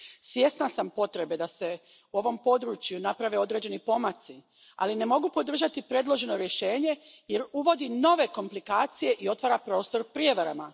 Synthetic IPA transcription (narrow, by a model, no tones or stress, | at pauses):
sje̞snasampo̞t̪ɾe̞be̞d̪ase̞ | uo̞ʋo̞mpo̞d̪ɾuːt͡ɕjunapɾaʋe̞o̞d̪ɾe̞d͡ʑe̞nipo̞mat̪si | a̰line̞mo̞ɡupo̞d̪r̩ʒat̪ipɾe̞d̪lˠo̞ʒe̞no̞ɾje̞ʃe̞ːɲe̞je̞ɾuʋo̞d̪ino̞ʋe̞ko̞mplikaːt̪sije̞ʔio̞t̪ʋaːɾapɾo̞ːst̪o̞ɾpɾijeʋaɾama